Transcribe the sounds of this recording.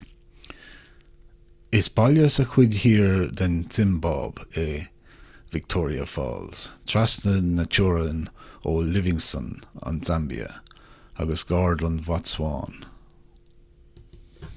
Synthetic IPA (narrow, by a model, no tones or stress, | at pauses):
ɪsbaljəsəkʰwɪdʲhiːɹd̪ənsɪmbɑ̰ːbɛ | vɪk̚t̪ʰɔːɹiə̰fɑ̰ːlz̥t̪ʰɾasnənːət͡ʃʰuːɹənoːlɪvɪŋsə̰na̰nzambḭə̰a̰ɡəsɡ̥ɑːɹdənvatswɑːn